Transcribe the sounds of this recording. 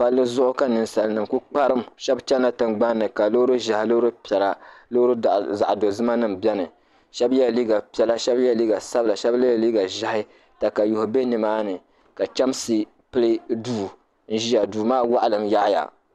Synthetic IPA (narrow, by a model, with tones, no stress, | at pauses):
pa˨lːɨ˦zʊ˦ʔʊ˦ka˦nɨ˨nsa˨lnɨ˨mku˦k͡pa˦ɾɨ˦m˨ʃɛ˦bt͡ʃɛ˦nːa˨tɨ˨nɡ͡ba˦nː˦ɨ˨ka˨lo˦ɾu˦ʒa˨hɪ˨lo˦ɾu˦pɛ˨la˨lo˦ɾu˦˨za˨ʔdo˨zɨ˦ma˦nɨ˦m̩bɛ˦nɨ˨ | ʃɛ˦bjɛ˦liː˦ɡa˨pi˨˦ɛ˦la˦ʃɛ˦bjɛ˦liː˦ɡa˨sa˦bɨ˨la˨ʃɛ˦ble˦˨liː˦ɡa˨ʒa˨hɪ˦ | ta˨ka˨jʊ˨hʊ˨be˦nɨ˨maː˦nɨ˨ | ka˨t͡ʃɛ˦msɨ˨ | pɨ˦lɨ˦duː˦˨ | n̩˦ʒi˦ja˨duː˨maː˦wa˦ʔlɨ˨mja˦ʔja̰˨